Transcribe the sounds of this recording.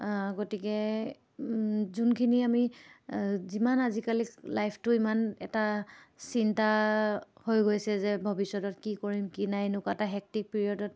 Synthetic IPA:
ɡotikɛ | zunkʰiniami | zimanazikaliklajpʰtʊimanɛ̰tasinta | hojɡojsɛzɛbʱobisɔdɔtkikoɹimkinajnʊkataɦɛk̚tik̚peɹiɔdɔt

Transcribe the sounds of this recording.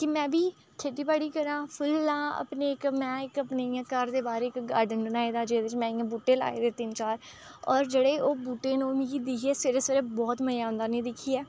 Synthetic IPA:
kɪmɛ̃ːbiː | kʰeːʈiːbaːɽiːkəɾãːpʰʊlːãːə̰pneːɪkmɛ̃ːɪkəpneːɪjãːkəɾd̪eːbaːɾeːɪkɡaːɾɖənbənaːeːd̪aːd͡ʒeːd̪ɪt͡ʃmɛ̃ːɪjãːbuːʈːeːla̰ːḛːd̪eːt̪ɪnt͡ʃaːɾ | ɔːɾd͡ʒeɽeːʔoːbuːʈeːnoːmĩːɡiːd̪ɪkʰieːsɪɾəsəɾeːbɔːt̪məjaːʊ̃nd̪aːnĩːd̪ɪkʰːiːɛː

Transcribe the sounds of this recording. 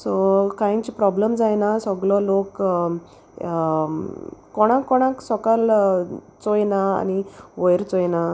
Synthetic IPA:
sɔkajt͡ɕipɾɔbləmd͡zajnasɔɡlɔlok | kɔɽ̃ãkːɔɽ̃ãksɔkal | t͡sojnaa̰niʋojɾt͡sojna

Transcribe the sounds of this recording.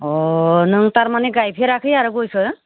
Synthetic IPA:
ɔnɯŋt̪aɾmanɛɡajpʰeɾakʰɯjaɾɔɡojsɯ

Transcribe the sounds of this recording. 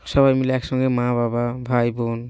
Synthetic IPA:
sɔβajmilksɔŋɡɛmabababʱajbɔn

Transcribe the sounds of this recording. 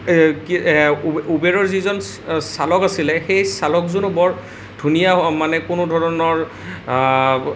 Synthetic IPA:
k | ubeɹɔɹzizɔn | salɔkasilɛxejsalɔkzunʊbɔɹ | dʱunijamanɛkʊnʊdʱɔɹɔnɔɹ

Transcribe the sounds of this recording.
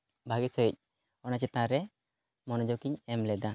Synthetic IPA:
bʱaɡisəc̚ | ɔnat͡ʃɛt̪ãɾɛ | mɔnɔd͡ʒɔkiɲɛmlɛd̪a

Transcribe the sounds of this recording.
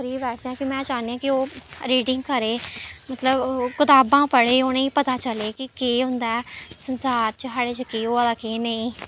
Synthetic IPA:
ɾiːbɛːʈʰd̪eãːkimɛ̃ːt͡ʃaːneãːkɪoːɾiːɖɪŋɡ̚kəɾeːmət̪ləbkɪt̪aːbãːpəɽeːoːneĩːpət̪aːt͡ʃəleːkɪkeːɦʊ̃nd̪aːɛsənsaːɾt͡ʃəɦaːɽeːt͡ʃəkeːoːalaːkeːnəĩː

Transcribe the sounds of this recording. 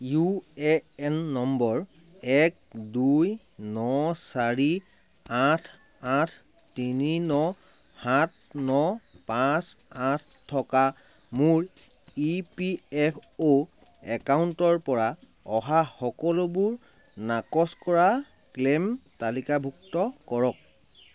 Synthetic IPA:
juɛɛnːɔmbɔɹɛk̚dujnɔsaɹi | atʰ | atʰ | tininɔ | hat̚ʰnɔpãsatʰtʰːɔka | muɹ | ipiɛpʰo | ɛkawntɔɹpɔɹa | ɔɦaxɔkɔlobʊɹ | nakɔskɔɹa | klemtalikabʱuktɔkɔɹɔk̚

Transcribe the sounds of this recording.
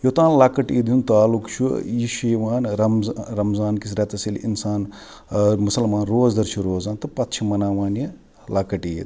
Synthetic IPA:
jot̪aːnlakɐʈiːd̪junt̪aːlukt͡ʃʰuiʃiʋaːnɾɐmzɾɐmzaːnkis̬ɾʲet̪ɐsilinsaːn | mɐsɐlmaːnɾoːzd̪ɐɾt͡ʃʰuɾoːzaːnt̪ɨpɐt̪t͡ʃʰimɐnaːʋaːnje | lakɐʈiːd̪

